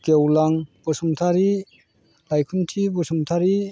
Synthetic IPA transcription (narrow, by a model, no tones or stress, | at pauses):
kewlaŋb̥ɔsuŋtʰaɾi | lajkʰuntʰibɔsuŋtʰaɾi